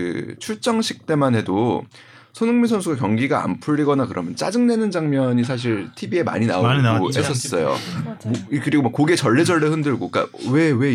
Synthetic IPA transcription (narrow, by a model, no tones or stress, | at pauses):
ɯ̰t͡ɕʰuɭt͡ɕ͈ʌŋɕʰi̥k̚t͈e̞manɦe̞do | sʰonɯŋminsʰʌnsʰuɡakjʌŋɡiɡaa̰mpʰuʎːiɡʌnakɯɾʌmjʌnt͡ɕ͈a̰d͡ʑɯŋne̞nɯnd͡ʑaŋmjʌɲis̬ʰaɕ̬ʰiɭtʰibie̞ma̰ɲina̰oɡoes͈ʰʌs͈ʌjo̰ | kɯɾiɡomʌkoɡet͡ɕʌɭːe̞d͡ʑʌɭːehɯndɯɭɡok͈a̰we̞we̞